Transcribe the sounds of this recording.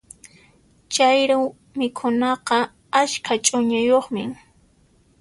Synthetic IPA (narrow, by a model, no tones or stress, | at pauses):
t͡ʃajɾaw | mɪkʰʊnɑqɑ | askʰat͡ʃʼʊɲajoχmɪ